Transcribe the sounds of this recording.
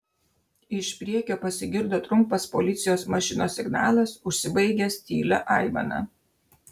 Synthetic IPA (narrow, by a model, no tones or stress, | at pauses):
ɪʃpʲɾʲiɛkʲoːpɐsʲɪɡʲɪɾd̪oːt̪ɾʊmˑpɐspolʲɪt̪sʲɪjoːsmɐʃʲɪnoːsʲɪɡnɑ̰ːlˠɐsʊʃʲsʲɪbɐɪɡʲɛst̪ʲḭːlʲɐ̰ʔɐɪmɐ̰nɐ̰